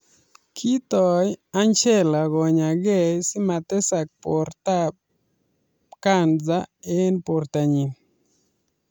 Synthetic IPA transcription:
kʰi˦t̪ɔ˨ja˦nt͡ʃɛ˦la˨ɡɔ˨ɲa˨ɡɛ˦˨sɪ˦ma˨t̪ɛ˦sa˨k̚po˨ɾt̪a˦ | ka˦˨nza˦e˦npo˨rt̪a˨ɲi˨n

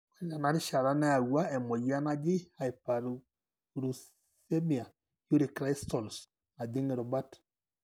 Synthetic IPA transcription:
wɛ˦ɲa˨na˨˦ɾi˦ʃa˨ɾa˦na˦a˨wwa˦ɛ˨mɔ˨ja˦na˦d͡ʒi˦a˨i˨pa˨ɾu˨ | ɾu˨s | se˦mi˨a˨ | ju˦ɾi˨kɾa˦i˦stɔ˨ls | a˨di˦ŋi˨ɾɔ˨ba˦t

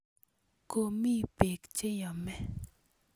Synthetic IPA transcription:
ko˦mi˦pe˨kt͡ʃe˦jɔ˨mɛ˦

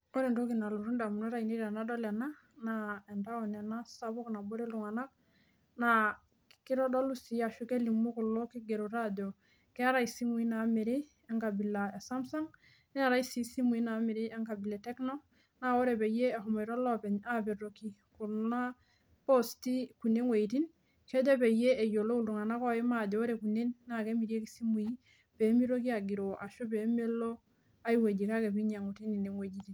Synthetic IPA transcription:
ɔ˦ɾɛ˨nɾo˦ki˨na˨lu˨ɾu˦nda˨mu˨na˦ɾa˨i˨ni˦ɾa˨na˦dɔ˦lɛ˨na˦ | naɛ˨nda˦ɔ˨nɛ˨na˦sa˨bu˦kna˨bo˦ɾɛ˦lu˨ŋa˨na˦k̚ | na˨ | ki˦ɾɔ˦dɔ˦lu˦si˨a˨ʃu˦ke˦li˨mu˦ku˨lːɔ˦ki˦ɡe˨ɾu˨ɾado˨ | kɛ˦a˦ɾa˦isi˦mu˨i˦na˨me˨ɾi˦ | ɛ˦ŋka˨bi˨la˨e˨sa˦msa˦ŋ | nɛ˦a˨ɾa˦isi˦si˦mu˨i˦na˨mi˨ɾi˦ɛ˦ŋka˨bi˨lɛ˨tɛ˦knɔ˦ | na˦wo˦ɾe˨be˨je˦e˨ɦu˨mo˨jɾo˦lo˦pe˨ɲa˦be˨ɾo˨ki˦ku˨ɾna˦ | po˦sti˦ku˨nːe˦ŋwe˨iti˦n | ke˦ɟo˦pe˨je˦e˨jo˨lo˦u˨ldu˨ŋa˨na˦ko˦i˦ma˦˨ɟo˨o˦ɾe˨ku˨nːe˦nːa˨ke˦mi˨ɾi˦e˦ki˦si˦mu˨i˦ | pe˨˦mi˦ɾo˦ki˦a˨ɡi˨ɾo˨ʔa˨ʃo˦pe˨˦me˦lo˦ | a˦iwe˨ɟi˨ka˦ke˨bi˦ɲa˨ŋu˨ti˦ni˨ne˨ŋwe˨d͡ʒi˨ti˨n

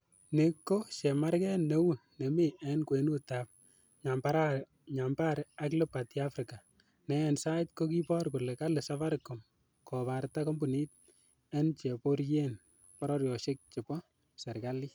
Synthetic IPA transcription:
ne˨kːo˦ʃɛ˨ma˦ɾkɛ˦nːe˦wu˦nɛ˨mi˦ʔɛnkwe˨nu˦tap̚ | ɲampaɾa | ɲa˨mba˦ɾa˦klɛ˦patja˦fɾɪka˨ | nɛ˦ɛnsa˦ɪt̚ko˦ki˦pɔ˦ɾkʊ˨lɛ˨ka˦lɪ˨safa˦ɾkɔ˨m | kʰɔ˨pa˨ɾtakɔ˦mbu˨ni˦t̚ | ɛ˦nt͡ʃe˨po˦ɾje˦n | pɔɾɔ˦ɾjɔ˨ʃɪ˦k̚t͡ʃɪ˨pɔ˦ | sɛ˨ɾka˦li˦

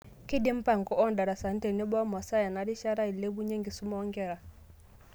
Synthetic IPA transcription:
ki˦di˦m̩˦pa˨ŋ˨kɔ˨ʔɔ˦nda˨ɾa˨sa˨n̩˦tɛ˨ni˦bɔ˦mwa˨sa˦ja˨na˨ɾi˦ʃa˦ɾa˦i˨lɛ˦bu˦ɲɛ˦ŋɡi˨su˦mɔː˦ŋɡɛ˦˨ɾa˨

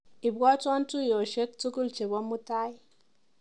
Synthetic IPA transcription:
i˨bɔ˦tɔ˦n˦tu˦˨jo˨ʃe˦k̚tu˦ku˦˨lt͡ʃe˨bɔ˦mu˦ta˦i˦

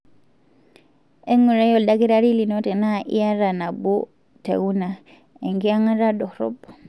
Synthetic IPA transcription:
e˦ŋu˨ɾe˦jo˦˨da˦ki˦ɾa˦ɾi˦li˨no˦te˨na˦ʔḭ˦ja˦ɾa˨na˨bu˦ | tḛ˨ɣu˦na˨ | e˨ŋɡi˦a˦ŋa˦ɾa˦do˨hɾo̰˦b

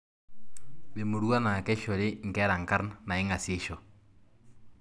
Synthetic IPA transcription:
βe˨mo˨ɾwa˦na˨kɛ˦ʃɔ˨ɾe˦ŋ˨kɛ˦ɾa˨ŋ˨ka˦ɾnna˨e˦ŋa˨se˦ʃɔ˨

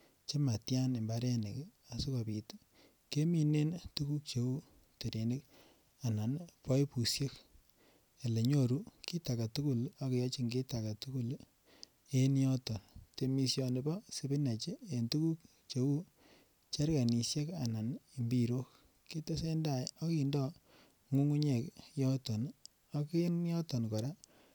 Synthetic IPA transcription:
t͡ʃe˦ma˨tja˦ne˨mba˦ɾe˦ne˨k | a˨su˦ka˨bi˨t | ke˦mi˨ne˦ntu˦ku˦kt͡ʃe˨u˦ | to˨ɾe˨ni˦k | a˨na˨npɔ˦jpu˨sje˦k | e˨le˨ɲo˦ɾu˦ki˦ta˨ka˨tu˦ku˦la˦kjɔ˦t͡ʃi˦ŋɡe˦ta˨ka˨tu˦ku˦l | e˦njɔ˦tɔ˨nte˨mi˨sjɔ˨nɪ˨bɔ˦si˦bɪ˦na˨t͡ʃe˦e˨ntu˦ku˦k̚ | t͡ʃe˦wu˦ | t͡ʃa˦ɾka˨ni˨sje˦ka˨na˨ni˨mbi˦ɾo˦k | ki˦te˦se˦nda˦˨jɔ˦kindɔ˦ | ŋu˦ŋu˦ɲe˨kjɔ˦tɔ˨n | a˦ki˦njɔ˦tɔ˨nkɔ˨ɾa˦

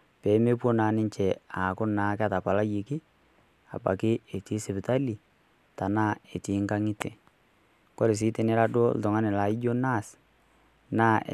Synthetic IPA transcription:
pɛː˨˦me˦po˦naː˨˦nɪ˦ɲt͡ʃɛ˨a˨kʊ˦naː˨ka˦ta˨pa˨la˦ji˨kɪ˦ | a̰˨ba̰˨kɪ˦e˨ti˦sɪ˨pɪ˨ta˦li˨ | ta˨naː˦˨e˨ti˨˦ŋka˦ŋɪ˦tɛ˨ | ko˦ɾe˨s̬iː˨˦te˨nɪ˦ɾa˦do̰˦l̩tʊ˨ŋa˦nɛ˨la˨˦i˦d͡ʒo˦na˦˨s | na̰˦˨

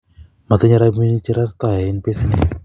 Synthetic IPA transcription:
ma˨t̪ɪ˦ɲa˦ɾa˦mi˦ni˦t͡ʃi˦ɾa˦tt̪a˨ɛ˨ɪ˦npe˦si˦nɪ̰˦

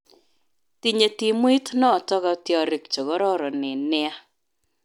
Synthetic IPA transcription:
ti˨ɲe˨ti˨mwi˦tnɔ˦˨tɔ˦ɡɔ˦tjɔ˨ɾɪ˨kt͡ʃo˨ɡɔ˦ɾɔ˦ɾɔ˨nɪ˨nɪ˦a˦

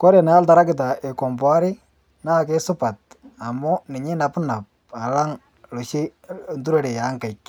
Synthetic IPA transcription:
kɔ˦ɾe˨na˨˦a˦lta˨ɾa˦kɪ˨t̬a˨ʔe˨kɔ˨mbwa˦ɾɪ˦ | naː˦˨ke˦sʊ˦pa˨t̪̚a˨mɔ˦nɪ˨ɲɪ˦na˨pna˨p̚ | a˨la˦ŋ | lo˨ʃi˦ | ntu˦ɾe˨ɾe˨ja˨˦ŋka˨jk

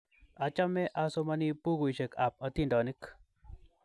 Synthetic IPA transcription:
a˨t͡ʃa˦mɛ˦ʔa˨so˦ma˦ni˦pu˦ɡu˨ʃe˨ka˨p̚a˨t̪i˦˨ndɔ˨ni˦k

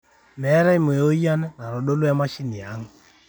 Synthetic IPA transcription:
mɛ˨˦ɾɛ˦i˦mo˨o˦ja˦nɛ˦na˨ɾo˨ɗo˦lwɛ˦ma˦ʃi˦ni˨a˨˦ŋ

